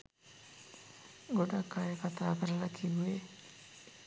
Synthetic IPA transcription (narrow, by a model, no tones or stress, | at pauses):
ɡoɖakːajekat̪aːkəɾəlakʰiʋue